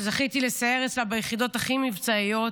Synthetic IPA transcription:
zaχit̪ilesaeʁet͡slabajeχid̪o̞t̪aχimivt͡saijo̞t

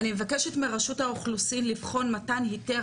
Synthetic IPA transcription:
nime̞vakeʃetmeʁaʃuthaoχlusinlivχo̞nmatanɦite

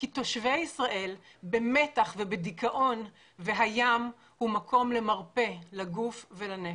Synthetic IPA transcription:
kito̞ʃveisʁaʔe̞l | be̞me̞taχvebedikaʔo̞n | ve̞ɦajam | humakʰo̞mle̞maʁpe̞laɡufvelane

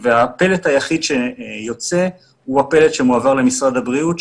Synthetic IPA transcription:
veape̞letajaχid̪ʃejo̞t͡se | huapelet̪ʃe̞muavaʁle̞misʁad̪abʁiut

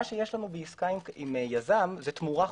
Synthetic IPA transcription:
ʃeje̞ʃlanubeiskaimimejazamzet̪muʁa

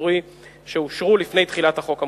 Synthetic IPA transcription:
ʁi | ʃeuʃʁulifne̞jt̪χilat̪haχo̞kha

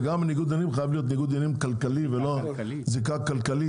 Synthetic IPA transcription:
ɡamniɡud̪animχajavlijo̞t̪niɡud̪animkalkalivelo | zekakalkali

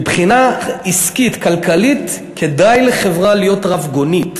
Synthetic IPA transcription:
bχinaiskitkalkalit | kʰe̞dajleχe̞vʁalijo̞tʁavɡo̞nit

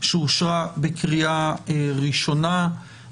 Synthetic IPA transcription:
ʃeuʃʁabekʁiaʁiʃo̞na

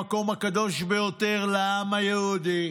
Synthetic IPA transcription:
ko̞makad̪o̞ʃbe̞jo̞t̪eʁleamajehud̪i

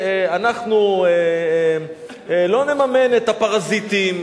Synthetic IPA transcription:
eanaχnue | lo̞nemame̞net̪apaʁazit̪im

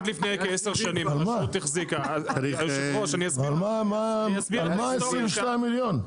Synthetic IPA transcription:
d̪lifnejkeeseʁʃanimalmaut̪ːiχzikaauʃaoʃaniasalmamaasbilmaesʁivʃtajmiljon

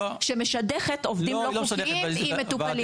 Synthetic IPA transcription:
ʃemeʃad̪eχet̪ovd̪imloiimːet̪uali

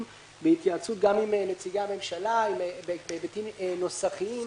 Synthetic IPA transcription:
behit̪jaːt͡sut̪̚ɡamimnet͡siɡaame̞mʃalaimbebebetimno̞saχiim

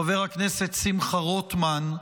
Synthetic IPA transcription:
aveʁhakneset̪simχaʁot̪man

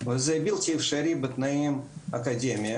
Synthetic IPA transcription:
vɨzɐbʲilʲˠt̪ʲɪfʂɐɾʲibɨt̪nɐimɐkɐdʲemʲɪjə

